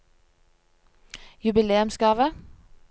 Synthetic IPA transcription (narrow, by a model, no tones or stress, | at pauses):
jʉbɪleːʉmskɑːʋə